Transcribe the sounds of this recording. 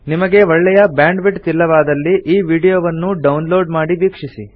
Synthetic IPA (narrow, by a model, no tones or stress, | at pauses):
nimɐɡe̞ʋɔɭːɛjɐbjaːɳɖʋiʈt̪ilːɐʋaːd̪ɐlːiʔiːʋiːɽijoːʋɐnːuɖɐwnlo̞ːɖmaːɽiʋiːkʂisi